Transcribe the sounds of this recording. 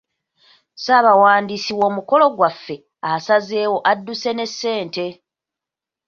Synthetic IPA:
saːβawaːndisiwo̞ːmuko̞lo̞ɡwafːe̞ | asaze̞ːwo̞ʔadːuse̞ne̞sːe̞ːnte̞

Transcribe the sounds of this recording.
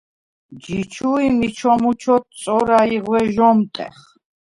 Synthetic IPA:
d͡ʒit͡ʃʰuimit͡ʃʰɔmut͡ʃʰɔt̪̚sʼɔɾaiʁwɛʒɔmt̪ʼɛ̰χ

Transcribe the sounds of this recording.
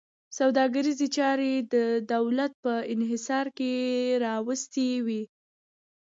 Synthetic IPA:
sawd̪ɑɡəɾizet͡ʃɑɾed̪əd̪awlat̪̚pəɪnɦɪsɑɾkeɾɑwəst̪ewi

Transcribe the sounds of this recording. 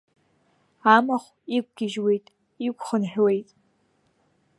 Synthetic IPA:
amaχʷ | ik̚ʷʼɡʲɪʒwejtʼ | ikʷʼχənħʷᶣwe̞jtʼ

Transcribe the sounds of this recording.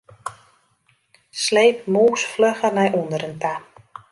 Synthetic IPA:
sleːp̚muːsfløxərnɛjʔundəɾənta

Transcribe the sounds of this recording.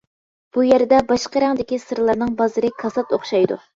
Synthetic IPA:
b̥ujæɾd̪ɛbɑʃqəɾɛŋd̪ɪkʲisɨɾlˠɑɾnɨŋbɑzɨɾɨkʰɑsɑt̪oχʃɑjd̪ṵ

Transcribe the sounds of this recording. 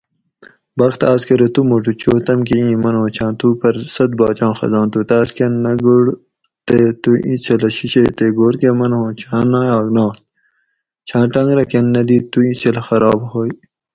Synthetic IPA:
bɐxt̪aːskɐɾet̪umoʈut͡ɕoːt̪ɐmkeĩːmɐnɦõːt͡ɕʰãːt̪upɐɾsɐt̪̚bɑːt͡ɕãːxɐ̰zɑ̃ːnt̪ut̪aːskenːɐɡuɽ | t̪et̪uʔḭ̃t͡ʃʰɐlɐɕiɕet̪eɡoːɾkemɐnɦõːt͡ɕʰãːnãːjaːɡnɑ̃ː | t͡ɕʰãːʈɐŋɡɾɐkɐnːɐd̪iːt̪uĩsʰelxɐɾɑːbhoːi

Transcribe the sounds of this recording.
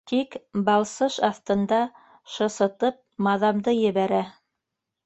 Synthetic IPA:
t̪ikbɑlˠsɤʃɑθt̪ɤ̆nd̪ɑ | ʃɤ̆sɤ̆t̪ɤp̚mɑðɑmd̪ɤjɘ̆βæɾæ

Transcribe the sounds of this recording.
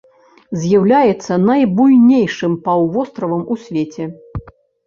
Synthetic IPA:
zʲjawlʲajɛt̪sːɐnɐjbujnʲejʂɨmpawvɔst̪ɾɐvɐmusʲvʲet͡sʲɛ

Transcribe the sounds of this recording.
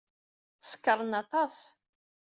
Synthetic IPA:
θə̥skːəɾˤənɑt̪ˤɑsˤ

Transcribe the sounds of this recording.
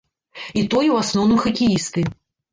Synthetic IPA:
it̪ɔjuwasnɔwnɨmxɐkʲijist̪ɨ

